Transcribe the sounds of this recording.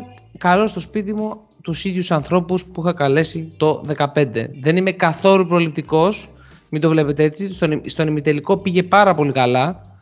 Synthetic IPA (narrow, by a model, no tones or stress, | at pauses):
kɐlo̞st̪o̞spit̪̬imu | t̪usiðʝusɐnθɾo̞puspuixɐkɐle̞sit̪o̞ðe̞kɐpe̞nd̪e̞̰ðe̞nime̞kɐθo̞lupɾo̞lip̚t̪iko̞s | mid̪o̞vle̞pet̪eet͡sist̪onst̪o̞nimit̪e̞liko̞piʝe̞pɐɾɐpo̞likɐlɐ